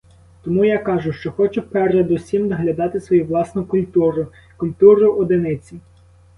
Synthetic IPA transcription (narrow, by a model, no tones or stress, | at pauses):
t̪ɔmujakɑʒʊʃt͡ʃɔxɔt͡ʃɛwpɛrɛd̪ʊsʲimd̪ɐɦlʲɐd̪ɑt̪ɪsʋɔjuʋlˠɑsnʊkʊlʲt̪uɾʊ | kʊlʲt̪uɾʊʔɔd̪ɪnɪt͡sʲi